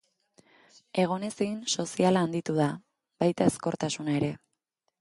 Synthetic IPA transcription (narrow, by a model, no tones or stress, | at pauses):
e̞ɣ̞o̞ne̞sinso̞sialaːnd̪it̪uða | bajt̪ae̞sko̞ɾt̪asunaeɾe̞